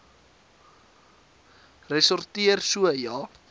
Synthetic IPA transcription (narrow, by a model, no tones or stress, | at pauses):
rɛsɔrtiərsuəjɑː